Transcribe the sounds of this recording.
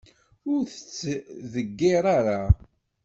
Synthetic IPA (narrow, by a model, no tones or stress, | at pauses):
ʊɾθə̥t͡sːðəɡːɪɾˤaɾa